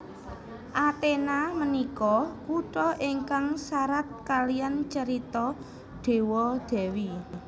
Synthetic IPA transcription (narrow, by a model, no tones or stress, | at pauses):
ʔat̪enamənikɔkuʈɔʔiŋkaŋsaɾat̪̚kalijant͡ʃəɾit̪ɔ | ɖ̪̥e̤wɔd̪̥ɛ̤wi